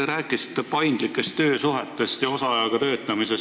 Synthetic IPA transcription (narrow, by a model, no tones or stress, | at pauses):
eɾæːkːˑisi̥t̪ːepɑjnd̪̥likːˑe̞st̪ːø̞ːsuɦe̞t̪ːˑe̞st̪jɑo̞sɑɑjɑɡ̥ɑt̪ø̞ːt̪ːˑɑmise̞s